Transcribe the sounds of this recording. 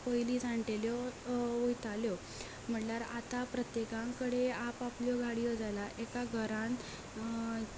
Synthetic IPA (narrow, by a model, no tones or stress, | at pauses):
pəjlit͡saɳʈeljɔʋojt̪aljɔ | m̤əɳlaɾat̪apɾət̪jekãŋkəɽeapapljɔɡʱaɽijɔd͡zalaʔekaɡʱəɾãn